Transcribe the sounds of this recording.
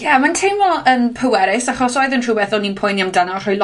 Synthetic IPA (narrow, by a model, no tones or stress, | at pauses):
jɛmantʰejnvɔənpʰəwɛɾɪsaχɔsɔjðəntʰrubɛθɔninpʰɔjniamdanɔχɔjl